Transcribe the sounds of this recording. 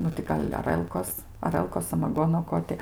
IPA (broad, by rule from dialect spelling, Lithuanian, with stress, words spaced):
ˈnʊ tʲɪ ˈɡɐlʲ ɐˈrəlˠkoːs ɐˈrəlˠkoːs sɐmɐˈɡoːnoː ˈkoː tʲɪ